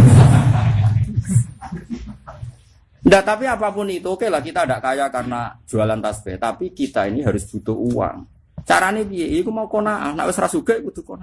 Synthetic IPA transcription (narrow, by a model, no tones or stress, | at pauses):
ndat̪apiapapʊnit̪uokelahkit̪adaʔkajakarnḁʒ̥ṳalant̪asfɛ̰t̪apikit̪ainiɦaɾʊsb̥ut̪ʊʔuwa̰ŋ | t͡ʃa̰ɾanepijeʔkumaukonaʔa̰na̰ʔwɪsɾasuɡ̥aʔkut̪uhkona